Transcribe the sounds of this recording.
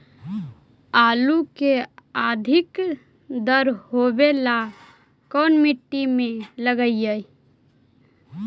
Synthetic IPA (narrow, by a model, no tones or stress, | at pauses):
aːlukead̪ʱɪk | d̪əɾɦobela | kɔːnmiʈːimẽləɡəijəj